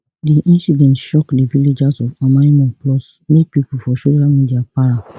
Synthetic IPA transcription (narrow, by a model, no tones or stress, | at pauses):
diʔĩnsidɛ̃ntʃɔkdeviled͡ʒasɔfamaimɔ̃nplɔs | mek̚pipulfɔʃoʃamĩdiapaɹa